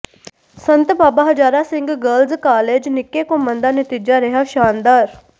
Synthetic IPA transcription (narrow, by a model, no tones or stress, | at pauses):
sənt̪baːbaɦəd͡ʒaːɾaːsɪ̃ŋɡɡəlzkaːleːd͡ʒnɪkːekõmənd̪aːnɪt̪iːd͡ʒaɾɛɦaːʃaːnd̪aːɾ